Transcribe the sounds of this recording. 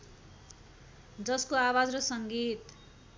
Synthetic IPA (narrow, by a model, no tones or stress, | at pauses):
d͡zʌskoawad͡zrʌsʌŋɡit̪